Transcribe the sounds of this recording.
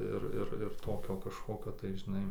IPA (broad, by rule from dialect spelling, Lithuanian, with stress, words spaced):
ˈɪr ˈɪr ɪr ˈtoːkʲoː kɐʃˈkoːkʲoː tɐɪ ʒʲɪˈnɐɪ